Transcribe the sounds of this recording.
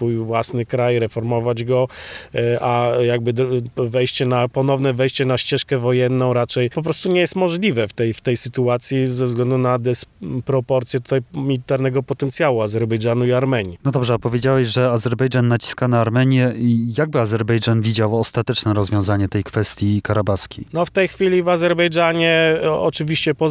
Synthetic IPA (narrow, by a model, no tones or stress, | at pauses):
fujvwasnɘkɾajɾɛfɔɾmɔvad͡ʑɡɔ | ʔajaɡ̚bɘd̪vɛjɕt͡ɕɛnapɔnɔvnɛvɛjɕt͡ɕɛnaɕt͡ɕɛʂkɛvɔjɛnːɔ̃w̃ɾat͡ʂɛjpɔp̬ɾɔst̪uɲɛjɛst̪mɔʐlʲivɛft̪ɛjft̪ɛjsɘt̪uat̪sʲjizɛvzɡlɛnd̪unad̪ɛspɾɔpɔɾt̪sʲjɛt̪ut̪ajmʲilʲit̪aɾnɛɡɔpɔt̪ɛnt̪sʲjawuazɛɾbɛjʐanuiaɾmɛɲinɔd̪ɔbʐɛapɔvʲjed͡ʑawɛɕʐɛazɛɾbɛjd͡ʐanːat͡ɕi̥skanaːɾmɛɲjɛijaɡ̚bɘazɛɾbɛjd͡ʐanvʲid͡ʑawɔst̪at̪ɛt͡ʂnɛɾɔzvʲjɔ̃w̃zaɲɛt̪ɛjkfɛst̪ʲjikaɾabaskʲinɔft̪ɛjxfʲilʲivazɛɾbɛjd͡ʐaɲɛɔt͡ʂɘvʲiɕt͡ɕɛpɔ